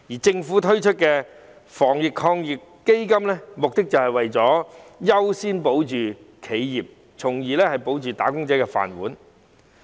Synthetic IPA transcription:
jiː˨˩t͡sɪ˧ŋfuː˨˥t̪ʰɵ˥ɥt͡ʃʰɵ˥t̚kɛː˧ | fɔː˨˩ŋjɪ˨kʰːɔː˧ŋjɪ˨kːe˥jkɐ˥mlɛː˥mʊ˨k̚t̪ɪ˥k̚t͡sɐ˨whɐ˨jwɐ˨jt͡sɔː˨˥jɐ˥wsiː˥npo˨˥wt͡ʃyː˨˩ | kʰe˨˧jjiː˨p̚ | t͡sʰʊ˨˩ŋjiː˨˧lɛː˥hɐ˨jpo˨˥wt͡ʃyː˨t̪a̰ː˨˥kʊ˥ŋt͡sɛː˨˥kɛː˧fa̰ː˨˩nwuː˨˥n

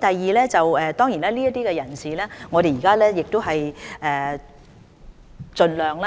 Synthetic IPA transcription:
t̪ɐ˨jːiː˨lɛː˥t͡sɐ˨wɛː˨˧t̪ɔː˥ŋjiː˨˩naː˥liː˥jɐ˥t̪iː˥kɛ˧jɐ˨˩nsiː˨lɛː˥ŋɔː˨˧ɾe˨jiː˨kaː˥lɛː˥jɪ˨k̚t̪o˥wɦɐ˨jʔɛː˨˩ | t͡ʃɵ˧nlœː˨ŋla˦˥

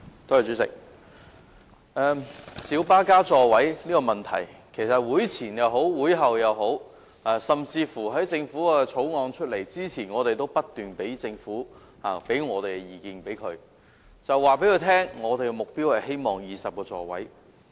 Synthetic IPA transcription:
t̪ʰoː˥ja˨˩t͡ʃy˨˥sɪ̰˨k̚ | ʔɛː˧msiː˨˥wpaː˥kaː˥t͡sɔː˨˧wɐ˨˥jniː˥kɔ˧mɐ˨nt̪ʰɐ̰˨˩jkʰe˨˩jsɐ˨t̚wuː˨˥jt͡sʰiː˨˩njɐ˨˧wɦo˨˥wːuː˨˥jɦɐ˨wjɐ˨wɦo˨˥w | aː˨˩sɐ˨mt͡siː˧fuː˨˩ɦɐ˨˥jt͡sɪ˧ŋfuː˨˥ɛ˧t͡sʰo˨˥wŋɔː˨˧ŋt͡ʃʰɵ˥t̚le˨˩jt͡siː˥t͡sʰiː˨˩nŋɔː˨˧t̪e˨jt̪o˥wpɐ˥t̚t̪yː˨npe˨˥jt͡sɪ˧ŋfuː˨˥ | ha̰ː˨pe˨˥jŋɔː˨˧t̪e˨jjiː˨˩kiː˧npe˨˥jkʰɵ̰˨˧ɥ | t͡sɐ˨wːaː˨˩p̬e˨˥kʰɵ˧t̪ʰɛː˥ŋŋɔː˨˧t̪e˨jkɛ˧mʊ˨k̚piː˥whɐ˨jɦe˥jmɔː˨ŋjiː˨sɐ˨p̚kɔː˧t͡sɔ̰ː˨˧wɐ̰˨˥j

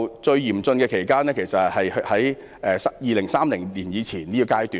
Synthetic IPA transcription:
wt͡ʃɵ˧ɥjiː˨˩mt͡sɵ˧nkɛː˧kʰe˨˩jkaː˥nɛː˥kʰe˨˩jsɐ˨hɐ˨jhhɐ˨˥j | ʔɛː˨˧sjiː˨˧lɪ˨˩ŋsaː˥mlɪ˨˩ŋliː˨˩njiː˨˧t͡sʰiː˨˩nliː˥kːkaː˥jt̪yː˨

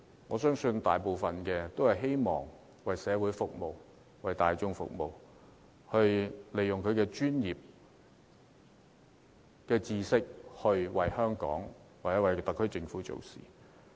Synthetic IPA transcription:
ŋɔː˨˧sœː˥ŋsɵ˧nt̪a̰ː˨˩jpo˨wfɐ˨nkɛː˧t̪o˥whɐ˨˩jɦe˥jmɔ̰ː˨˩ŋ | wɐ˨jsɛː˨˧wuː˨˥jfʊ˨k̚mo˨w | wɐ˨˩jt̪aː˨jt͡sʊ˥ŋfʊ̰˨k̚mo̰˨˩w | hɵ˧ɥle˨jʊ˨ŋkʰɵ˨˧ɥkɛː˧t͡ʃyː˥njiː˨p̚ | kɛː˧t͡siː˧sɪ˥k̚hɵ˧ɥwɐ˨jhœː˥ŋkɔ̰ː˨˥ŋ | waː˨t͡sɛ˨˥wɐ˨˧˩jt̪ɐ˨˥kʰːɵ˥ɥt͡sɪ˧ŋfuː˨˥t͡so̰˨wsḭː˨˩

